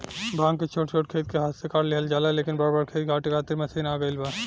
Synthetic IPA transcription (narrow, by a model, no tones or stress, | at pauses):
bʱãːŋket͡ʃʰoːʈt͡ʃʰoːʈ̚kʰeːt̪̚keɦaːt̪sekaɾleɦəld͡ʒaːlaleːkɪnbaːɾbaːɾkʰeːt̪̚kʰaːʈekʰaːt̪iɾmẽsenaːɡəjlba